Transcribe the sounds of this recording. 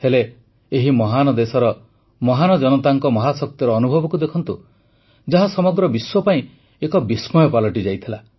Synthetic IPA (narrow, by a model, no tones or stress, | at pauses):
hele | eɦimɔɦanɔd̪esɔɾɔ | mɔɦanɔd͡ʒɔnɔt̪aŋkɔmɔɦasɔk̚t̪jɔɾɔːnubʱɔbɔkud̪ekʰɔnt̪u | d͡ʒaɦasɔmɔɡɾɔbiswɔpaĩ | ekɔbismɔjɔpalɔʈid͡ʒajt̪ʰila